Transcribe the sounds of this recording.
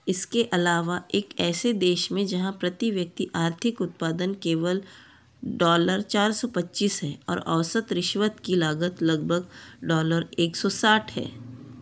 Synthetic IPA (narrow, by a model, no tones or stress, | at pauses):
ɪskeʔɐlaːʋaʔeːkɛːsed̪eːʃmẽd͡ʒɐɦãpɾɐt̪iʋjɐk̚t̪iʔaːɾt̪ʰɪkʊt̪̚paːd̪ənkeːʋəl | ɖɔːləɾt͡ʃaːɾsɔpɐtːʃiːsɦɛːɔ̰ːɾɐ̰ʋsət̪ɾɪʃʋət̪kilaːɡət̪lɐɡbʱəɡɖɔːləɾeːksɔsaːʈʰhɛ̰ː